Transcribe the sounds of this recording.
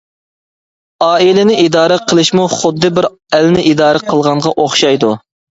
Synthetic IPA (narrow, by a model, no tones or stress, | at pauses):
ɑːilɪnɪʔid̪ɑːɾəqʰəlˠɨʃmuχʊd̪ːɨbɪɾ | ælnɪʔid̪ɑːɾəqʰəlˠʁɑɴʁɑʔoχʃɑjd̪u